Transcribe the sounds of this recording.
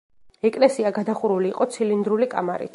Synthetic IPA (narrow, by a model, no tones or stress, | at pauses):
ɛkʼlɛsiaɡad̪aχuɾuliːqʼɔt̪sʰilind̪ɾulikʼa̰maɾḭt̪ʰ